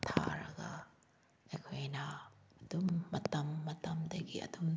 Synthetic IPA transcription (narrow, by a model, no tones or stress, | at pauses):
tʰa̰ɾɐɡɐ | ekʰojnɐːd̥umːɐtɐmːɐtɐmdɐɡiɐ̰dum